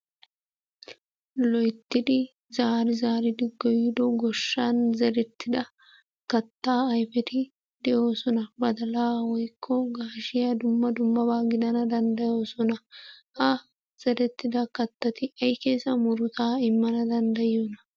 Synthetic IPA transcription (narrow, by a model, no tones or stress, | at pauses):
lɔjt̪ːɪd̪ɪ | zaːɾɪzaːɾɪd̪ɪɡːɔjɪd̪ɔɡɔʃːaːnzɐd̪ɛt̪ːɪd̪ɐ | kɐt̪ːaːɐjfɛt̪ɪ | d̪ɛjo̞ːsɔnɐbɐd̪ɐlaːwɔjkʰːɔɡaːʃɪjɐd̪ʊmːɐd̪ʊmːɐbaːɡɪd̪ɐnɐd̪ɐnd̪ɐjo̞ːsɔnɐʔɐ | z̥ɐd̪ɛt̪ːɪd̪ɐkɐt̪ːɐt̪ɪʔɐjkeːsɐmʊɾʊt̪ʰaːɪmːɐnɐd̪ɐnd̪ɐjonɐ